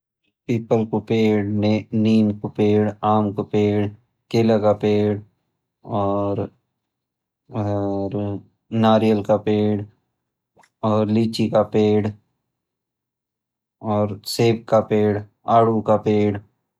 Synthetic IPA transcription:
piːpəlkopeːɽnniːmkopeːɽaːmkopeːɽ | keːlakapeːɽ | ɔːɾ | ɾ | naːɾijəlkapeːɽ | ɔːɾliːt͡ʃikapeːɽ | ɔːɾseːb̚kapeːɽ | aːɽukapeːɽ

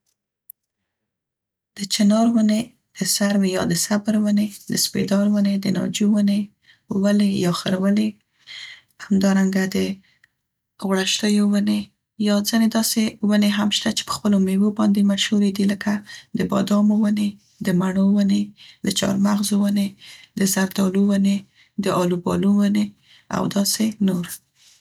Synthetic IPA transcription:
d̪̥ət͡ʃɪnɑɾwəne | d̪̥əsaɾwejɑd̪əsabɾwəned̪əspḛd̪ɑɾwəned̪ənɑ̰d͡ʒuwəne | wəlejɑxəɾwəle | hamd̪ɑɾaŋɡad̪ə | ɣɽaʃt̪əjowəne | jɑd͡zəned̪ɑsewəneɦamʃt̪at͡ʃe̥pə̥xpəlomewobɑnd̪emaʃhuɾed̪iləkad̪əbɑ̰d̪ɑmowəne | d̪əmaɳowəned̪̥ət͡ʃɑ̰ɾmaɣzowəned̪əzaɾd̪ɑlowəne | d̪əʔɑlubɑ̰luwəne | a̰wd̪ɑsenoɾ

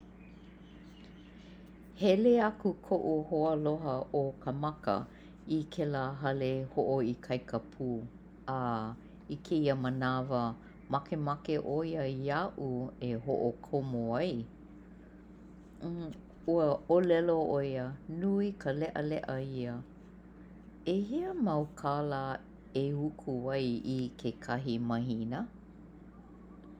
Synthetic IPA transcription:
hɛleɐkukʰoʔuhoəloɦəʔokʰəmɐkə̰ | ikʰelaɦɐlehoʔoikʰɐjkʰəpʰuː | a | ikʰeiəmənavə | mɐkemɐkeʔoiəiaʔueɦoʔokʰomoaj | uəolɛloʔojənuikəlɛʔə̰lɛʔəiə | ehiəmɐwkʰalə | ehukʰuɐjikʰekʰɐɦimɐɦinə

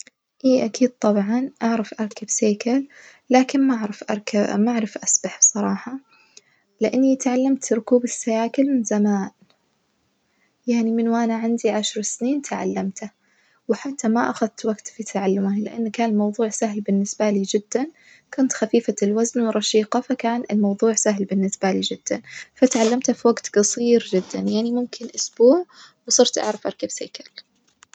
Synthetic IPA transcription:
ʔiːʔakʰiːd̪̚t̪ˤɑbʕɑnʔaʕɾˤɑfʔɑɾˤkabseːkʰalː | aːkɪnmaʕɾˤɑfʔaɾˤkamaʕɾˤɪfʔasbaħbsˤɑɾˤɑːħɑ | lɪʔanːit̪ʕalːamt̪ɾʊkuːbɪsːajaːkɪlmɪnzamaːn | jaʕnimɪnwʔanaʕɪnd̪iʕaʃɾˤsniːnt̪ʰaʕa̰lːamt̪a | wɪħat̪ːamaʔaxaðt̪waɡt̪fit̪ʰaʕalːʊmalɪʔanːkaːnɪlmɑwðˤuːʕsaɦlbɪnːɪsbaliːd͡ʒɪd̪̥ːan | kʊnt̪xafiːfalwaznwɪɾˤɑʃiːqɑfakaːnɪlmɑwðˤuːʕsaɦlbɪnːɪsbalid͡ʒɪd̪̥ːanfat̪ʕalːamt̪hafiwaɡt̪ɡɑsˤiːɾd͡ʒɪd̪ːanjaʕnimʊmkʰɪnʔʊsb̥uːʕwsˤɨɾt̪ʔa̰ʕɾˤɑfʔɑɾˤkabseːkal

